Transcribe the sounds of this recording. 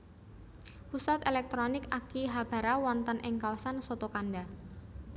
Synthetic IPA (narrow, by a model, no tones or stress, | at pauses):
pusat̪elɛk̚t̪ɾonɪkakiɦab̥a̤ɾawɔnt̪ənʔɪŋkawasansot̪okanɖa